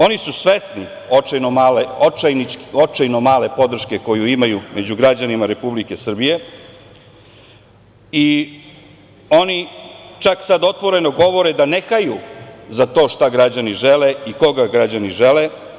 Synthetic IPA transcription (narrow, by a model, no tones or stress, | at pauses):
o̞nisusʋe̞sni | onoaleoajniot͡ʃajnomaːle̞po̞d̪r̩ʃke̞ko̞juimajumʔe̞d͡ʑuɡɾad͡ʑanimaɾe̞publike̞sr̩bije̞ | i | o̞nit͡ʃaksad̪o̞t̪ʋo̞ɾe̞noɡo̞ʋo̞ɾed̪anexajuzat̪o̞ːʃt̪aɡɾad͡ʑaniʒeleiko̞ɡaɡɾad͡ʑaniʒele